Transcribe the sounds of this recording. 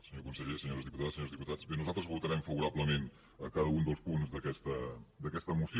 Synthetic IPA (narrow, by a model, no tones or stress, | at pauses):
səɲokunsəʎesəɲoɾəzðiput̪aðəsəɲoɾzðiput̪ḁz̥benuzalˠt̪ɾəzβut̪əɾɛmfəβuɾaβləmen | əkaðəund̪əlˠspunzðəkɛst̪əd̪əkɛst̪əmusi